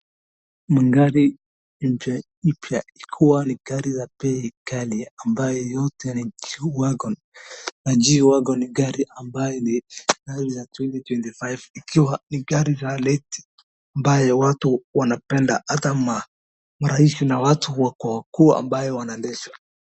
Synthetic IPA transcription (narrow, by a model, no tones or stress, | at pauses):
miŋɡaɾi | m̩pa | ipjaikʰiwaniɡaɾizapɛikaliambajɔjɔtʰɛniwaɡɔn | nad͡ʒiwaɡɔniɡaɾiʔambajɔniɡaɾizatwɛntitwɛntifajvikʰiwaniɡaɾizalɛti̥ | ambajɔwatuwanapɛndahatama | maɾahisinawatʰuwakwawakuːa̰mbajɔwanaɛndɛʃwḁ